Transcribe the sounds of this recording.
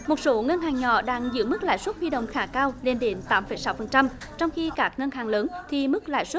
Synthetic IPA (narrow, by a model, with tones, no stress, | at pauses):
mo˨˩t̚so˨˦ŋə˧nɦaː˨˩ŋɲɔ̰˧˨ɗaː˧ŋzɨ̰˧˥əmɨ˦˥k̚la̰ː˧˨jswə˦˥t̚hwi˧ɗə̰˧˨wŋ͡mxaː˧˩kaː˧wle˧nɗe˨˦nt̪aː˨˦mfə˧˩jsa˨˦wfə˨˩nt͡ɕa˧m | t͡ɕɔ˧wŋ͡mxi˧kaː˦˥k̚ŋə˧nhaː˨˩ŋləː˨˦nt̪ʰi˨˩mɨ˦˥k̚la̰ː˧˨jswə˦˥